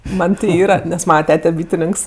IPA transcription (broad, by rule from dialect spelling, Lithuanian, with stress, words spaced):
ˈmɐnʲ tʲɪ ˈiːrɐ nʲɛs ˈmɑːnɐ ˈtʲæːtʲɛ ˈbʲiːtʲɪnʲɪŋks